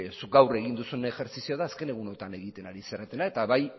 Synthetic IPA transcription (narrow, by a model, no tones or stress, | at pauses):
suk̚ɡawre̞ɣ̞ind̪usunexe̞ɾt͡sisioðaːske̞ne̞ɣuno̞t̪ane̞ɣit̪e̞naɾiseɾet̪e̞nae̞t̪aβaj